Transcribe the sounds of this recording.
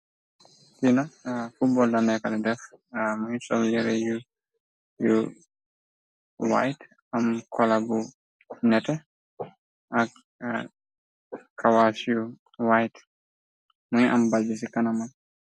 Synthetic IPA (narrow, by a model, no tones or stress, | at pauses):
tinɐfut̚bɔldɐnɛkɐlɛdɛfmuɲsɔljɛɾɛju | ju | wa̰jt | ɐmkʰɔlabu | nɛtɛ | ʔɐk | kːɐwaːsju | wajt | muɲʔɐmbald͡ʒisikɐnɐmɐn